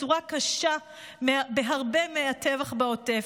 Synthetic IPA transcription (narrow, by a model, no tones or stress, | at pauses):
uʁakaʃa | mbeɦaʁbemeatevaχbaote